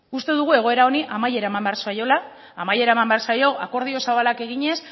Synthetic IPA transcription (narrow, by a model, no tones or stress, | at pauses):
ust̪e̞ðuɣ̞ue̞ɣo̞e̞ɾao̞niʔamaje̞ɾaemambearsajo̞laː | maje̞ɾaemambeaɾsajo̞ʔako̞ɾð̞io̞saβalake̞ɣiɲe̞s